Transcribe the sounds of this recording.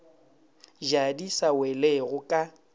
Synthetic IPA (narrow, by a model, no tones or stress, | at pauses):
ʒadisaweleɣʊkʼa